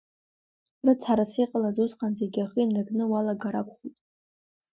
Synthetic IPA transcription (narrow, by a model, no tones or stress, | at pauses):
rɨt͡sʰaɾat͡sʰiqʼalazosqʼanzeɡʲaχinraɡnɨwalaɡaɾakʷʰʼχutʼ